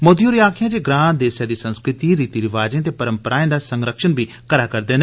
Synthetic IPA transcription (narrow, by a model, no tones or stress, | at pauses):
mod̪ijuːɾijaːkʰjãːd͡ʒeːɡɾãːnd̪eːsjaːd̪iːsə̃nskɾɪt̪iːɾiːt̪iːɾɪʋaːd͡ʒẽːt̪̬eːpəɾəmpəɾaːẽːd̪aːsəŋɡɾəkʃənbiː | kəɾaːkəɾd̪eːn